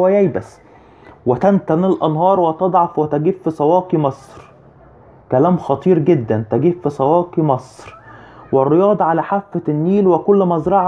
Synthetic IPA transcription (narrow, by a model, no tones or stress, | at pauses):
wæjæjbæs | wet̪ænt̪ænɪlʔɑnɦɑːɾˤwet̪ɑd̪ˤʕɑfwet̪æɡiːfːisˤɑwɑːqimɑsˤɾ | kælæːmxɑt̪ˤiːɾɡed̪ːænt̪æɡiːfːisˤɑwɑːqimɑsˤɾwɪrːɪjɑːd̪ˤɑʕalæħafːænːiːlwɪkʊlːmɑzɾˤɑʕ